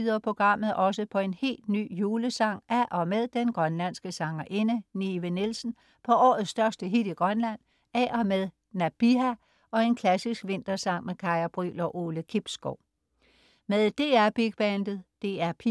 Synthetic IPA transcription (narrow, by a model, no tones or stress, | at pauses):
ðˠɐpʰʁo̝ɡ̥ʁɑ̈m̰ð̩ˠʔɒ̽səpʰɒ̽e̝nhe̝̰ːld̥ny̰ːjuːləsɑ̈ŋ̰ʔæʔɒ̽með̞ˠd̥enɡ̥ʁɶnlæn̰sɡ̥əsɑ̈ŋɐʔe̝nəniʋənelsn̩ | pʰɒ̽ɒ̰ːð̩ˠsd̥ɶɐsd̥əɦid̥iɡ̥ʁɶnlæn̰ | æʔɒ̽meðˠ | næb̥iɦæ | ɒ̽e̝nkʰlæsisɡ̥ʋe̝n̰d̥ɐsɑ̈ŋ̰mekʰɑ̈ɪɐb̥ʁy̰ːlɒ̽ʔo̝ːləkʰib̥sɡ̥oʊ̰ | meðˠd̥e̝̰ːæɐb̥iɡ̥̚b̥ænd̥ð̩ˠd̥e̝ːæɐpʰi